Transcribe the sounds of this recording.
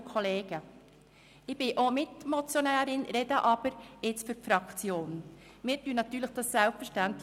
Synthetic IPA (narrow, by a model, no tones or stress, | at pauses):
kʰɔleːɡ̥ə | ɪb̥ɪʔomɪtmɔt͡sjonæːɾɪnɾɛdəʔɑb̥əɾɪt͡sfʏɾfɾɑkt͡sjoːn | mɪːɾtyːənɑtyːɾləχd̥ɑssɛlpfəɾʃtænt